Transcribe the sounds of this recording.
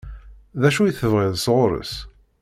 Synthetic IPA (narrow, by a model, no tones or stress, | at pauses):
ðæʃujiθəvʁɪðˤsʁʊɾə̰s